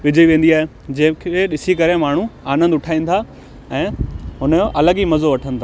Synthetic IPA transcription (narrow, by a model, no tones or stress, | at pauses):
ʋɪd͡ʑʱəiʋẽːn̆d̪iaːɦe | d͡ʑɐ̃ːɪ̃kʰeɗɪsikɐɾemaːɳ̤ũaːnə̃nd̪ʊʈʰaːĩːn̆t̪ʰa | ɛ̃ːɦʊnəoʔɐləɡimɐzoʋɐʈʰə̃nɪ̆t̪ʰaː